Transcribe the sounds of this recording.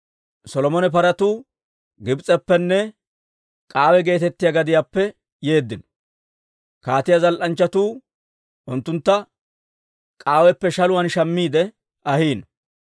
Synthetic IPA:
sɔlɔmɔnɛp̬ɐɾɐt̪uː | ɡɪbt͡sʼɛpːɛnːɛ | kʼaːwɛɡe̞ːt̪ɛt̪ːɪjɐɡɐd̪ɪjaːpːɛ | je̞ːd̪ːɪnɔ̥ | kaːt̪ɪjazɐlʔɐnt͡ʃːɐt̪uː | ʔʊnt̪ːʊnt̪ːɐ | kʼaːwɛpːɛʃɐlʊwɐnʃɐmːiːd̪ɛ | ɐhiːn

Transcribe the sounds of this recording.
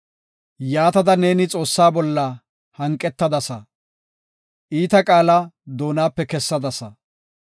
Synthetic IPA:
jaːt̪ɐd̪ɐne̞ːnɪt͡sʼo̞ːsːaːbɔlːɐ | hɐŋkʼːɛt̪ːɐd̪ɐsɐ | ʔiːt̪ɐkʼaːlɐd̪o̞ːnaːpːɛkɛsːɐd̪ɐsɐ

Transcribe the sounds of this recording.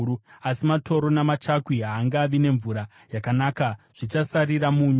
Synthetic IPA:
uasimatʰo̞ɾo̞namat͡ʃakwiɦaːŋɡaːʋine̞ɱvuɾa | jakanaːkaʐ̥it͡ʃasaɾiɾamuːɲ

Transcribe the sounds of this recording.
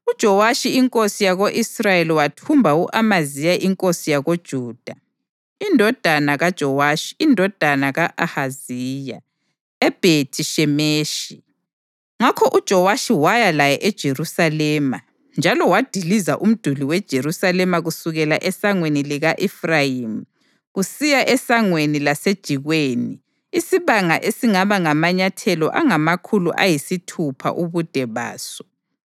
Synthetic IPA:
ud̥ʒ̥ʱɔwaʃiiŋkʼosijaɣoʔisrajeliwatʰumbʱauʔamazijaʔiŋkʼosijaɣod̥ʒ̥ʱuːd̥ʱa | indʱɔd̥ʱanaɣad̥ʒ̥ʱɔwaʃi̥ːndʱɔd̥ʱanaɣaʔahaziːja | ɛb̥ʱetʰiʃɛmeːʃi | ŋakʰɔʔud̥ʒ̥ʱɔwaʃiwajalajɛʔɛd̥ʒ̥ʱerusalɛːma | nd͡ʒʱalɔwad̥ʱilizaʔum̩d̥ʱuliwɛd̥ʒ̥ʱeɾusalɛmaɣusuɣɛla̰ʔɛsaŋweniliɣaʔɛfrajimu | ɣusijaʔɛsaŋwenilased̥ʒ̥ʱiɣweːniː | siβaŋaʔesiŋaβaŋamaɲatʰɛlɔ̰ʔaŋamakʰulṵʔajisitʰupʰa̰ʔuβud̥ʱɛβa̰ːsɔ̥

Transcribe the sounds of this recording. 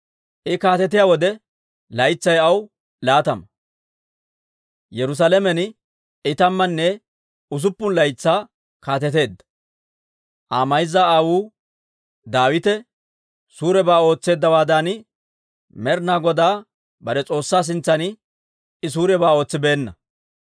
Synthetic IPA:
ʔɪkaːt̪ɛt̪ɪjaːwɔd̪ɛ | lɐjt͡sːɐjɐw | laːt̪ɐmɐ | jɛɾʊs̬aːlɛmɛn | ɪt̪ɐmːɐnːɛ | ʊs̬ʊpːʊnlɐjt͡sːaː | kaːt̪ɛt̪e̞ːd̪ːɐ̥ | ʔaːmɐjzːaaːwuː | d̪aːwɪt̪ɛ | suːɾɛbaːo̞ːt͡sːe̞ːd̪ːɐwaːd̪aːnɪ | mɛɾnaːɡɔd̪aː | bɐɾɛt͡sʼo̞ːsːaːs̬ɪnt͡sːɐnɪ | ɪs̬uːɾɛbaːo̞ːt͡sːɪbe̞ːnːɐ

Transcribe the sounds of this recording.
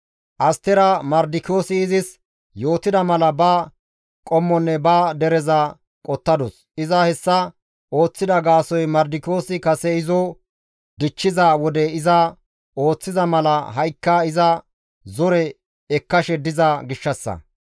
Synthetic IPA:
ʔɐst̪ɛɾɐmɐɾd̪ɪko̞ːsɪːzɪs | jo̞ːt̪ɪd̪ɐmɐlɐbɐː | kʼɔmːɔnːɛbaːd̪ɛɾɛza | kʼɔt̪ːɐd̪ɔs | ɪzɐhɛsːɐ | ʔo̞ːt͡sːɪd̪ɐɡaːsɔjmɐɾd̪ɪko̞ːsɪkɐsɛɪzɔ | d̪ɪt͡ʃːɪzawɔd̪ɛɪzɐ | o̞ːt͡sːɪzɐmɐlɐɦɐjkːɐɪzɐ | zɔɾɛ | ɛkːɐʃɛd̪ɪzɐɡɪʃːɐsːɐ̰

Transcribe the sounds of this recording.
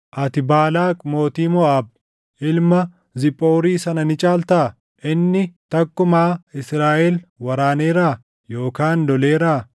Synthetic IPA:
ʔɐt̪ɪbaːlaːkʼmo̞ːt̪iːmɔaːb̚ | ʔɪlmɐ | zɪpʼːo̞ːɾiːsɐnɐnɪt͡ʃʼaːlt̪ɐ | ʔɪnːɪt̪ɐkːʊmaːɪsɾaːʔɛlwɐɾaːneːɾaː | jo̞ːkaːnd̪ɔleːɾaː

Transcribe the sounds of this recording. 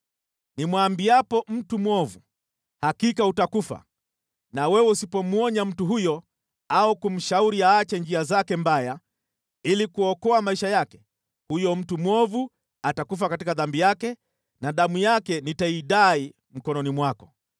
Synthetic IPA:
nimwambiapɔm̩tumwɔvu | hakikautakufa̰ | nawɛwɛusipɔmuɔɲam̩tuɦujɔ | aukum̩ʃauɾiaːt͡ʃɛnd͡ʒiazakɛmbaja | ilikuɔkɔamaiʃajakɛ̥ | hujɔm̩tumwɔvu | atakuf̬akatikaðambijakɛ | naɗamujakɛnitaiɗai | m̩kɔnɔnimwakɔ̥

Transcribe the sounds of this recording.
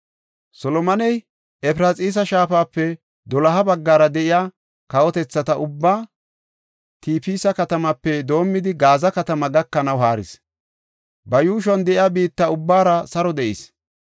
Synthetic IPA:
sɔlɔmɐnɛj | ɛpɾat͡sʼiːs̬ɐʃaːfaːpːɛ | d̪ɔlɐɦɐbɐɡːaːɾɐd̪ɛʔɪjaː | kɐwɔt̪ɛt͡sːɐt̪ɐʔʊbːaː | t̪iːpiːsɐkɐt̪ɐmɐpːɛd̪o̞ːmːɪd̪ɪɡaːzɐkɐt̪ɐmɐɡɐkːɐnɐwɦaːɾɪ̰s | bɐjuːʃ̬ɔnd̪ɛʔɪjabiːt̪ːɐʊbːaːɾɐsɐɾɔd̪ɛʔḭs

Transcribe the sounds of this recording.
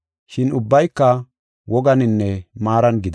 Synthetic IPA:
ʃɪnʊbːɐjkːɐ | wɔɡɐnɪnːɛmaːɾɐnɡɪd̪

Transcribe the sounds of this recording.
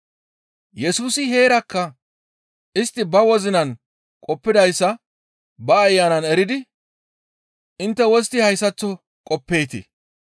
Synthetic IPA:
jɛsuːsɪɦe̞ːɾɐkːɐ | ʔɪst̪ːɪbɐwɔzɪnɐn | kʼɔpːɪd̪ɐjsːɐ | bɐːjːanɐnɛɾɪd̪ɪ | ʔɪnt̪ːɛwɔst̪ɪhɐjsːɐt͡sːɔ | kʼɔpːeːt̪ɪ̰

